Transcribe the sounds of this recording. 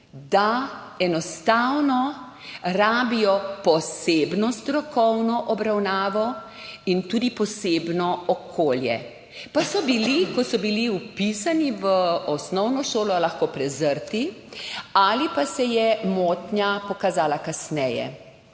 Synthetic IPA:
d̪aɛnɔst̪awnɔ | ɾaːbijɔpɔseːbnɔst̪ɾɔkɔwnɔʔɔbɾawnaːʋɔ | int̪uːd̪ipɔseːbnɔɔkʰoːljɛ̰ | pasɔbilikɔsɔbiliupisaniʋəɔsnɔwnɔʃoːlɔlaxkoːpɾɛzəɾt̪i | alipasɛjɛmot̪ɲjapɔkazaːlakasnɛjɛ̰

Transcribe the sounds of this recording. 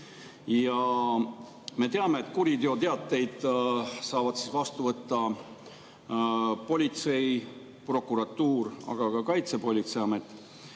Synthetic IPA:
jɑ | me̞t̪eɑme̞ːt̪ːˑkuɾid̪eo̞t̪eɑt̪ːˑe̞jd̪̥sɑːvɑd̪sisvɑst̪uvɤt̪ːɑ | po̞lʲit̪se̞j | pro̞kːˑuɾɑt̪ːuːɾɑ̰ɡ̥ɑkɑkɑjt̪se̞po̞lʲit̪sejɑme̞t̪ːˑ

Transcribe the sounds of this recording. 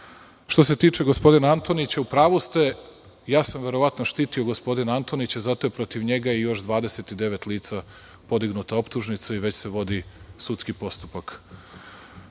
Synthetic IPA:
ʃt̪o̞s̬e̞t̪iːt͡ʃe̞ɡospo̞d̪inaant̪o̞nit͡ɕaupɾaːʋust̪e | jaːsamʋe̞ɾo̞ʋat̪noʃt̪iːt̪io̞ɡo̞spo̞d̪inant̪o̞nit͡ɕazat̪o̞jepɾo̞t̪iʋɲe̞ɡajejo̞ʃd̪ʋaːd̪e̞set̪id̪e̞ʋet̪liːt̪sa | po̞d̪iɡnut̪ao̞pt̪uʒnit̪saiʋe̞t͡ɕseʋo̞d̪isut̪skipo̞st̪u̥pak

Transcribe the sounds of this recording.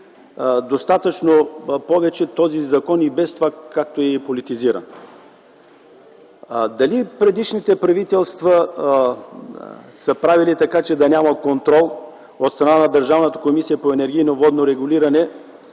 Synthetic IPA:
d̪ost̪at̪ət͡ʃnopɔvɛt͡ʃɛt̪ɔzizɐkɔnibɛst̪ovakak̚t̪oɛɛpolit̪iziɾɐ̰n | d̪ɐlipɾɛd̪iʃnit̪ɛpɾɐvit̪ɛlˠst̪vɐ | səpɾavilit̪ɐkat͡ʃɛd̪ɐnʲaməkont̪ɾɔlˠ | ot̪st̪ɾɐnanɐd̪əɾʒavnət̪ə̥komisijəpoɛnɛɾɡʲijnovɔd̪noɾɛɡʊliɾɐnɛ

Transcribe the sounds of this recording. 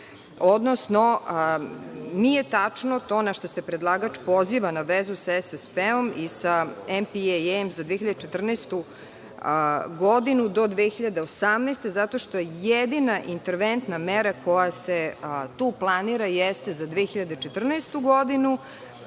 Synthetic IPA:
od̪nosno | nijet̪at͡ʂnot̪o̞ːnaʃt̪osepɾed̪lˠaɡat͡ʃpo̞ziʋanaʋezusaɛsespeomisaempiemzad̪ʋeçiʎad̪et͡ʃet̪r̩nest̪u | ɡod̪inud̪o̞d̪ʋexiʎad̪eosamnest̪e̞zat̪o̞ʃt̪o̞jejed̪inaʔint̪eɾʋent̪nameɾakojaset̪uːplˠaniɾajest̪ezad̪ʋexiʎad̪et͡ʃet̪r̩nest̪uɡod̪inu

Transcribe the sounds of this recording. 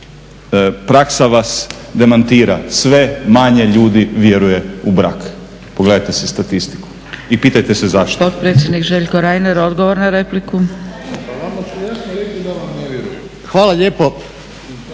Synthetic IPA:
pɾaksaʋasd̪e̞mant̪iːɾasʋe̞maɲe̞ʎuːd̪iʋje̞ɾuje̞ubɾa̰k | poɡled̪ajt̪esest̪at̪ist̪i̥ku̥ | ipiːt̪ajt̪e̞sezaʃt̪ot̪̚pɾet̪sʲjed̪nikʒeʎkoɾajneɾo̞d̪ɡoʋoɾnaɾepliku | amaasnoɾekid̪aʋamneʋjeɾujem | xʋaːlˠaʎeːpo

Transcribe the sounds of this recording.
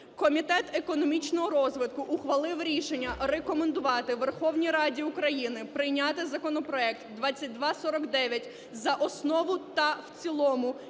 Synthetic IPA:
kɔmʲit̪ɛt̪ekɔnɔmʲit͡ʃnɔɦɔɾɔzʋɪt̪kʊʔʊxʋɐlˠɪwɾʲiʃenʲːɐrekɔmend̪ʊʋɑt̪ɪʋerxɔwnʲiɾɑdʲiukɾɐjinɪpɾɪjnʲɑt̪ɪzɐkɔnɔpɾɔɛk̚t̪d̪ʋɑt͡sʲːɐt̚ʲd̪ʋɑsɔɾɔkd̪ɛʋʲjɐtʲ | zɐʔɔsnɔʋʊt̪ɐwt͡sʲilˠɔmʊ

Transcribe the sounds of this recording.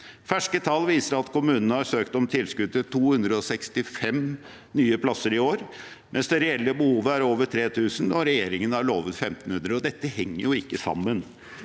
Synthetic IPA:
fæʂkət̪ʰɑlːʋiːsəɾɑt̪kʰʊmʉːnənəhɑɾsøːkt̪ɔmt̪ʰɪlskʉd̪ət̪ʰuːhʉnd̪ɾəɔsɛkst̪ɪfɛm | nyːəpʰlɑsːəɾɪoːɾ | mʔɛnsd̪ɛɾɛɛlːəbəhuːʋəæɾoːʋəʈʰɾeːt̪ʰʉːsn̩d̪ɔɾɛjeːɾɪŋənəhɑɭoːʋət̪fɛmt̪n̩hʉnd̪ɾəɔd̪ɛt̪ːəhɛŋːəɾjʊɪkːəsɑ̰mːən

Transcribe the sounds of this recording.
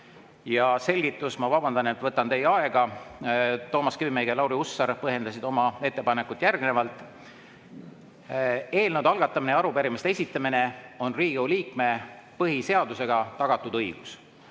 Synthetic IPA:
jɑse̞lʲɡ̥it̪ːˑusmɑvɑbɑnd̪ɑne̞t̪ːvɤt̪ːɑnt̪e̞jːɑe̞ɡ̥ɑ | t̪o̞ːmɑskymejɡelɑwɾiusːɑɾpɤɦje̞nd̪̥ɑsid̪o̞mɑe̞t̪ːe̞pɑnekːˑut̪ːˑjærɡ̥ne̞vɑlt̪ːˑ | e̞ːlnud̪̥ɑlɡ̥ɑt̪ːˑɑmineɑɾupeɾimest̪ee̞sʲit̪ˑːɑmine̞o̞nriːɡ̥euliːkme̞pɤɦise̞ɑd̪use̞ɡ̥ɑt̪ɑɡ̥ɑt̪ːˑud̪ɤjɡ̥us

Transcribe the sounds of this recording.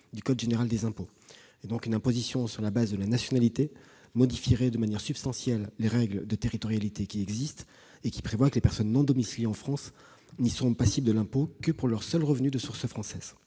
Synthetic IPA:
d̪ykɔd̪ʒeneʁald̪ezɛ̃po | ed̪ɔ̃kynɛ̃pozisjɔ̃syʁlabazd̪əlanasjɔnalit̪e | mɔd̪ifiʁɛd̪əmanjɛʁsypst̪ɑ̃sjɛlːeʁɛɡld̪ət̪eʁit̪ɔʁjalit̪ekʲiɛɡzist̪ | ekʲi̥pχevwakəlepɛʁsɔnːɔ̃d̪ɔmisleɑ̃fχɑ̃s | nisɔ̃pasibld̪əlɛ̃pokəpuʁlœʁsœlʁəvnyd̪əsuʁsəfχɑ̃sɛːz̥

